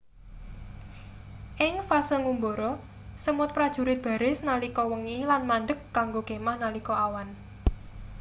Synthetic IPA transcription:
ʔɪŋfasəŋumboɾɔ | səmʊt̪̚pɾad̥ʒ̥ṳɾɪt̪̚b̥ä̤ɾɪsnalikɔwəŋilanmaɳɖəkːaŋɡoɡ̥e̤mahnalikɔawan

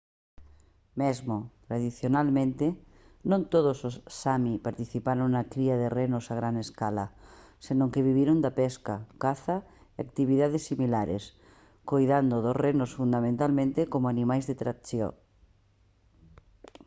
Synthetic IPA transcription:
mezmot̪ɾaðiθjonalmẽnt̪e | nõnt̪oðososːamipaɾt̪iθipaɾoŋnakɾiaðerenosaɣɾaneskala | senõŋkeβiβiɾond̪apɛskakaθa | ea̰kt̪iβ̞iðaðesːimilaɾḛs | kojðand̪oðosrenosfund̪amẽnt̪almẽnt̪ekomoanĩmajzðet̪ɾatθjo̰

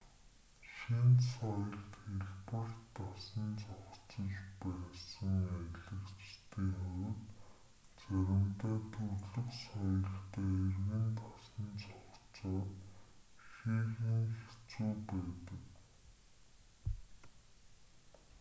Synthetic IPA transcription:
ʃinsɔjɞ̆ɮt̪xeɮpə̆rt̪ʰːasə̆nt͡sɔχt͡sə̆ɮpæːsə̆ŋæɮə̆kt͡ɕt̪iːŋχʊɾʲɪ̆t̪ | t͡sæɾʲɪ̆mt̪æːt̪ʰɵɮɵ̆ksɔjɞ̆ɮt̪æːerɣɘ̆nt̪ʰasə̆nt͡sɔχt͡sɔː | xiːɣiːŋxe̥t͡suːpæːt̪ə̆k

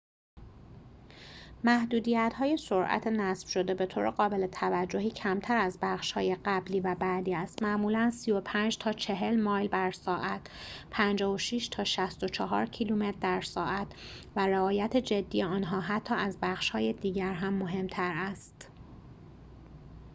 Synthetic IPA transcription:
mæhd̪uːd̪iːjæt̪hɒːje̞so̞ɾʔæ̰t̪ʰenæsfʃo̞d̪e̞be̞t̪ʰoːɾʔeɣɒːbe̞let̪ʰævæd͡ʒːo̞ɦiːcʰæmt̪ʰæɾæzbæχʃhɒ̰ːjeɢæbliːvæbæd̪iːæst̪mæʔmuːlænsiːo̞pʰænd͡ʒt̪ʰɒːt͡ʃʰe̞ɦe̞lmɒːjlbæɾsɒːʔæt̪ʰ | pʰænd͡ʒɒːvoʃiːʃt̪ʰɒːʃæst̪o̞t͡ʃʰɒɦɒ̰ːɾcʰiluːmet̪d̪æɾsɒːʔæt̪væɾeɒːjæt̪ʰed͡ʒe̞d̪ːiːjeɒːnɦɒːɦæt̪ʰːɒːæzbæχʃhɒːje̞d̪iːɟæɾɦæmːo̞ɦe̞mt̪ʰæɾæst̪

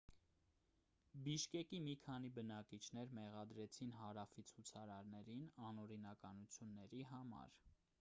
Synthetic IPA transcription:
biʃkɛkimikʰɑn̪ibənɑkit͡ʃʰnɛɾmɛʁɑd̪ɾɛt͡sʰinɦɑɾɑfit͡sʰut͡sʰɑɾɑɾnɛɾinɑnɔɾinɑkɑnut͡sʰjunːɛɾiɦɑmɑ̰ɾ

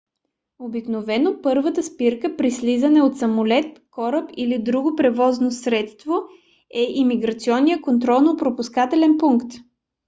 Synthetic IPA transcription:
obiknovɛnopɤɾvət̪əspiɾkəpɾislizənɛot̪sɐmolɛt̪kɔɾəpilid̪ɾuɡopɾɛvɔznosɾɛt̪st̪vo | ɛʔimiɡɾət̪siɔnːijəkont̪̬ɾɔlˠnopɾopuskat̪ɛlɛnpuŋkt̪

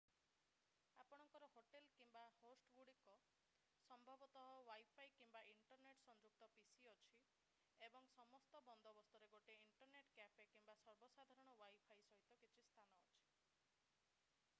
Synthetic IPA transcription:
apɔɽ̃ɔŋkɔɾɔɦoʈelkimbahosʈɡuɽikɔ | sɔmbʱɔbɔt̪ɔɦɔwajpʰajkimbaʔiɳʈɔɾneʈsɔnd͡ʒuk̚t̪ɔpisiɔt͡ʃʰi | ebɔŋsɔmɔst̪ɔbɔnd̪ʱɔbɔst̪uɾeɡoʈeiɳʈɔɾneʈkapekimbasɔɾbɔsad̪ʱaɾɔɽ̃ɔwajpʰajsɔɦit̪ɔkit͡ʃʰist̪ʰanɔːt͡ʃʰi̥

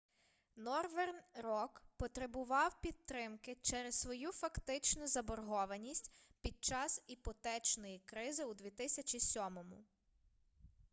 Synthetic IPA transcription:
nɔrʋernrɔkpɔt̪ɾebʊʋɑwpʲid̪̚t̪ɾɪmkɪt͡ʃɛɾessʋɔjufɐkt̪ɪt͡ʃnʊzɐbɔrɦɔʋɐnʲisʲtʲpʲid̪̚t͡ʃɑsipɔt̪ɛt͡ʃnɔjikɾɪzɪud̪ʲʋʲit̪ɪsʲɐt͡ʃisʲɔmɔmʊ̰

